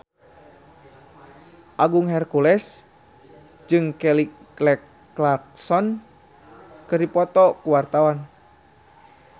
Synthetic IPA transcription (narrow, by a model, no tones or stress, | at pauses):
ʔaɡuŋɦɛrkulɛs | d͡ʒɨŋkɛliɡlɛkː | lark̚sɔn | kɨrdipɔt̪ɔkuwart̪awan